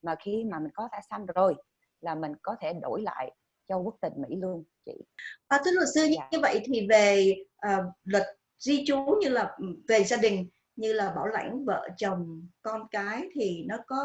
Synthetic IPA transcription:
maː˨˩xi˧maː˨˩mï˨˩ŋ̟kɔ˨˦ta˧˩sa˧mzo˨˩j | laː˨˩mï˨˩ŋ̟kɔ˨˦t̪ʰe˧˩ɗo˧˩jla̰ː˧˨j | t͡ɕɔ˧ɓə˦˥k̚t̪ï˨˩ŋ̟mḭ˧˥lu˧əŋt͡ɕḭ˧˨ʔəː˨˩t̪ʰɨ˨˦lṵ˨˩sɨ˧əɲɨ˧ɨ˧və̰˧˨jt̪ʰi˨˩ve˨˩ʔəː˨˩lwə˨˩t̚ | zi˧t͡ɕu˨˦ɲɨ˧laː˨˩ve˨˩zaː˧ɗï˨˩ŋ̟ | ɲɨ˧laː˨˩ɓaː˧˩wla̰˧˩jŋ̟və̰ː˧˨t͡ɕə˨˩wŋ͡mkɔ˧nkaː˨˦jt̪ʰi˨˩nɔ˨˦kɔ˨˦

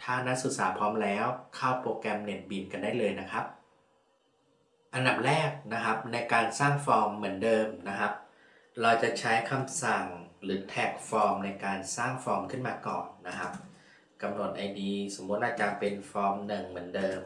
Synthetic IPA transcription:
t̪ʰaː˥˩na˦˥su˨˩t̪̚saː˩˦pʰɔː˦˥mlɛː˦˥wkʰaː˥˩wpoː˧kɛ˧mne˨˩t̪̚bi˧˩nka˧ndaː˥˩jlɤː˧jna˦˥kʰa˦˥p̚ | ʔa˧nda˨˩p̚ɾɛː˥˩k̚na˦˥kʰa˦˥p̚na˧jkaː˧nsaː˥˩ŋfɔː˧mːɯ˩˦əndɤː˧mna˦˥kʰa˦˥p̚ | ɾɔː˧wt͡ɕa˨˩t͡ɕʰa˦˥jkʰa˧msa˨˩ŋɾɯː˩˦t̪ʰɛː˨˩k̚fɔː˧mna˧jkaː˧nsaː˥˩ŋfɔː˧mkʰɯ˥˩nmaː˧kɔ̰ː˨˩nːa˦˥kʰa˦˥p̚ | ka˧mno˨˩t̪̚ʔa˧jdiː˧so˩˦mːu˦˥t̪̚naː˥˩t̚t͡ɕa˨˩pe˧nfɔː˦˥mnɯ˨˩ŋmɯ˩˦əndɤː˧m

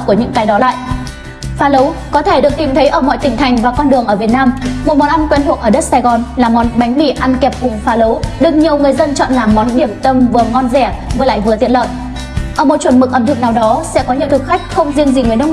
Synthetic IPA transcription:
ku˧˩əɲɨ̰˧˥ŋkaː˨˦jɗɔ˨˦la̰ː˧˨jʔ | faː˨˦lə˨˦wkɔ˨˦t̪ʰe˧˩ɗɨ˨˩ək̚t̪i˨˩mt̪ʰə˨˦jʔəː˧˩mɔ̰˧˨jt̪ï˨˩ŋ̟t̪ʰa˨˩jŋ̟vaː˨˩kɔ˧nɗɨ˨˩əŋʔəː˧˩vi˨˩ət̚naː˧mmo˨˩t̚mɔ˨˩nʔa˧mkwɛ˧nt̪ʰṵ˧˩kʔəː˧˩ɗə˦˥t̚saː˧jɣɔ˨˩nlaː˨˩mɔ˨˦nɓa˨˦jŋ̟mḭ˧˥ʔa˧nkɛ˨˩p̚kʊ˨˩ŋ͡mfaː˨˦lə˨˦wɗɨ˨˩k̚ɲi˨˩əwŋɨ˨˩əjzə˧nt͡ɕɔ̰˧˨nlaː˨˩mɔ˨˦nɗi˧˩əmt̪ə˧mvɨ˨˩əŋɔ˧nzɛ˧˩vɨ˨˩əla̰ː˧˨jvɨ˨˩əzḭ˧˨ənlə̰ː˧˨j | ʔəː˧˩mo˨˩t̚t͡ɕwə˨˩nmɨ˨˩k̚ʔə˧˩mt̪ɨ˨˧˩naː˨˩wɗɔ˨˦sɛ̰˧˥kɔ˨˦ɲi˨˩əwt̪ʰɨ˨˩k̚xa˦˥jk̟̚xə˧wŋ͡mzi˧əŋzi˨˩ŋɨ˨ə˦nɗə˧w

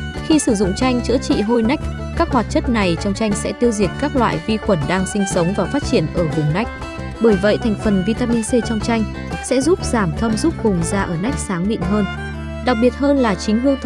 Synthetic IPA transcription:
xi˧sɨ˧˩zʊ̰˧˨ŋ͡mt͡ɕa˧jŋ̟t͡ɕɨ̰˧˥t͡ɕḭ˧˨ɦo˧jna˦˥k̟̚ | kaː˦˥k̚hwaː˨˩t̚t͡ɕə˦˥t̚na˨˩jt͡ɕɔ˧wŋ͡mt͡ɕa˧jŋ̟sɛ̰˧˥t̪i˧əwzi˨˩ət̚kaː˦˥k̚lwa̰ː˧˨jvi˧xwə˧˩nɗaː˧ŋsï˧ŋ̟sə˨˦wŋ͡mvaː˨˩faː˦˥t̚t͡ɕi˧˩ənʔəː˧˩vʊ˨˩ŋ͡mna˦˥jk̟̚ | ɓəː˧˩jvə̰˧˨jt̪ʰa˨˩jŋ̟fə˨˩nvi˧t̪aː˧mi˧nse˧t͡ɕɔ˧wŋ͡mt͡ɕa˧jŋ̟ | sɛ̰˧˥zu˦˥p̚z̥aː˧˩mt̪ʰə˧mzu˦˥p̚kʊ˨˩ŋ͡mzaː˧ʔəː˧˩na˦˥jk̟̚saː˨˦ŋɓḭ˧˨ŋɦəː˧n | ɗa˨˩k̚ɓi˨˩ət̚ɦəː˧nlaː˨˩t͡ɕï˨˦ŋ̟ɦɨ˧əwt̪ʰ

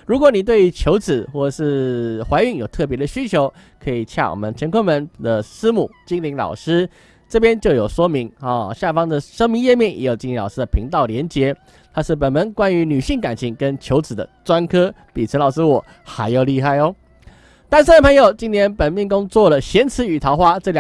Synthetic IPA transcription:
ɻu˧˥kwɔ˨˧˦ni˨˩t̪we˥˩ɪ˧t͡ɕʰjo˧˥ʊt͡sɹ̩˨˩xwɔ˥˩ʈ͡ʂə˨˩ʂɻ̩˥˧xwa˧˥ɪy˧˩ŋjo˨˩ʊt̪ʰɤ˥˩pjɛ˧˥d̪ə˧ɕy˥t͡ɕʰjo˧˥ʊ | kʰɤ˧˥i˨˩t͡ɕʰja̰˥˩wɔ̰˨˩mə˨˦nt͡ɕʰjɛ˧˥ŋkʰə˥nmə˧˦nd̪ə˨ʂɹ̩˥mu˨˩t͡ɕi˥ŋli˧˥ŋlɑ̰˨˩ʊʂɻ̩˥ | ʈ͡ʂɤ˥˩pjɛ˥nt͡ɕjo˥˩ʊjo˨˩ʊʂwɔ˥mi˧˥ŋɔ˥˨˩ɕja˥˩fɑ˥ŋd̪ə˨ʂɤ˥ŋmi˧˥ŋjɛ˥˧mjɛ˥˩njɛ̰˧˥jʊt͡ɕi˥ni˧˥lɑ˨˩ʊʂ̩˥d̪ə˨˩pʰi˧˥ŋt̪ɑ˥˩ʊljɛ˧˥nt͡ɕjɛ˧˥ | t̪ʰa˥ʂɻ̩˥˩p̬ə˨˩nmə˧˥nkwa˥ny˧˥ny˨˩ɕi˥˩ŋka˨˩nt͡ɕʰi˧˥ŋkə˦nt͡ɕʰjo˧˥ʊt͡sɹ̩˨˩d̪ə̰˦t͡swa˥nkʰɤ˥ | pi˨˩t͡sʰə˧˥lɑ˨˩ʊʂɻ̩˥wɔ˨˩ | xa˧˥ɪjo˨˩ʊli˥˧xa˥˩ɪɔ˦ | t̪a˥˧nʂ̬̩˥˩d̪ə˩pʰɤ˧˥ŋjo˨˩ʊt͡ɕi˥nt̪ʰjɛ˥npə˨˩nmjɛ˥˩nkʊ˥ŋt͡swɔ˥˩lə˩ɕjɛ˧˥nt͡sʰɹ̩˧˥y˨˩t̪ʰɑ˧˥ʊxwa˥ʈ͡ʂɤ˥˩˨l

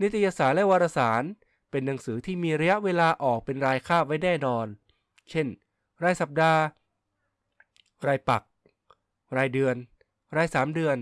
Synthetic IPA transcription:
ni˦˥t̪ʰːa˧jaː˧saː˩˦nlɛ˦˥ʔwaː˧ɾaː˧saː˩˦n | pe˧nːa˩˦ŋsɯː˩˦t̪ʰiː˥˩miː˧ɾa˧ja˦˥ʔweː˧laː˧ʔɔː˨˩k̚pe˧nɾaː˧jkʰaː˥˩p̚wa˥jnɛː˥˩nɔː˧n | t͡ɕʰe˥˩n | ɾaː˧jsa˨˩p̚daː˧ | ɾaː˧jpa˨˩k̚ | ɾaː˧jdɯ˧ən | ɾaː˧jsaː˩˦mdɯ˧ən

